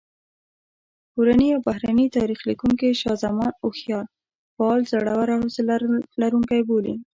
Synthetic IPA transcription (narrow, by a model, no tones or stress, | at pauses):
koɾaniawbaɦɾanit̪ɑɾixlikuŋkeʃɑzamɑnoxjɑl | faɑlzaɽawaɾahosllaɾuŋkajbolḭ